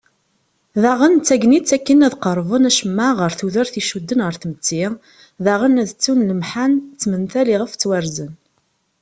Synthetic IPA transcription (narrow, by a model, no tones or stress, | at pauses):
ðaʁənt͡sːæɡnit͡sːækːənæðqəɾˤvənæʃəmːaʁəɾθuðəɾθiʃud̪ːənʁəɾθmət͡sːi | ðaʁənæðt͡sːunləmħant͡sːmənθæliʁəft͡sːwæɾzən